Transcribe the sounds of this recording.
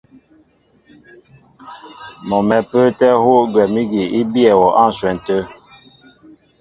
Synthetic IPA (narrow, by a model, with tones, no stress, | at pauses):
mɔ˨mɛ˨pə˦tɛ˦ho˦ɡwɛ˨mi˦ɡi˨i˦bjɛ˨wɔ˨ʔa˦˨n̩˨swɛ˨n̩˨tə˦